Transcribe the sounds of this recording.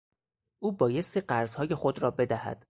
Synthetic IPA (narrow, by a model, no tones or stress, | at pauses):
ʔuːbɒːje̞st̪iːɢæɾzhɒːje̞xo̞d̪ɾɒːbe̞d̪æhæ̰d̪̥